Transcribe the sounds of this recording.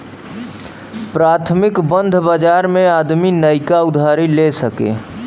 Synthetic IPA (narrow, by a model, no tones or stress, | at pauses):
pɾaːt̪ʰmɪkbə̃nd̪ʱbad͡ʒaːɾmẽaːd̪minəɪkaʊd̪ʱaːɾilesəkḛː